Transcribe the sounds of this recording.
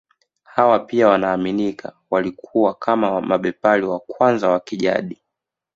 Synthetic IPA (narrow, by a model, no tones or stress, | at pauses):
hawapiawanaːminikʰa | walikʰuwakʰamamaɓɛpaliwakwanzawakiʄa̰ɗi